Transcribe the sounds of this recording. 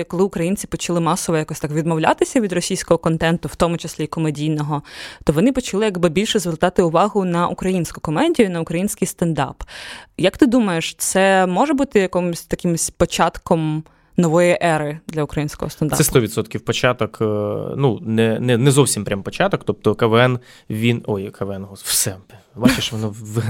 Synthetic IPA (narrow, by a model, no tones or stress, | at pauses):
kɔlˠɪʊkɾɐjinʲt͡sʲi̥pɔt͡ʃɐlˠɪmɑsɔʋɔjɐkɔsʲt̪ɑkʋʲid̪mɔwlʲa̰t̪ɪsʲɐʋʲid̪rɔsʲijsʲkɔɦɔkɔnt̪ɛnt̪ʊwt̪ɔmʊt͡ʃesʲlʲikɔmedʲijnɔɦɔt̪ɔʋɔnɪpɔt͡ʃɐlˠɪjɐɡbɪbʲilʲʃɛzʋɪrt̪ɑt̪ɪʊʋɑɦʊnɐʔukɾɐjinʲsʲkʊ̥kɔmɛdʲijʊinɐʊkɾɐjinʲsʲkɪjst̪ɐnd̪ɑ̰pjɐkt̪ɪd̪umɐjeʃt̪sɛmɔʒɛbut̪ɪjɐkɔmʊsʲt̪ɐkɪmʊsʲpɔt͡ʃɑt̪kɔm | nɔʋɔjiʔɛɾɪd̪lʲɐukɾɐjinʲsʲkɔ̰ɦɔ̰ɐnd̪a̰sɛst̪ɔʋʲit̪sɔt̪kʲiwpɔt͡ʃɑt̪ɔknunɛnɛnɛzɔwsʲimpɾʲampɔt͡ʃɑt̪ɔkt̪ɔp̚t̪ɔkɐʋɛn | ʋʲinɔjkɐʋɛnɦwsɛbat͡ʃeʃʋɔnɔʋ